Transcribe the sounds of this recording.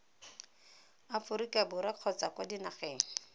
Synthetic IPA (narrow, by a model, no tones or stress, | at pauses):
afʊɾikabʊɾaq͡χʰɔt͡sakwadinaχeːŋ̩